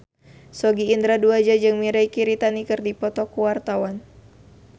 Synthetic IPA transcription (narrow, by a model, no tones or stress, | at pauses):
sɔɡiːnd̪ɾaduad͡ʒad͡ʒɨŋmiɾajkiɾit̪anikɨrdipɔt̪ɔkuwart̪awan